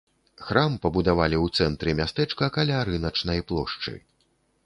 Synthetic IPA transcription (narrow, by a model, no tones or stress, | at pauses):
xɾampɐbud̪avalʲiwt̪sɛnt̪ɾɨmʲast̪ɛt͡ʂkɐkalʲaɾɨnɐt͡ʂnɐjplˠɔ̰ʂt͡ʂɨ̰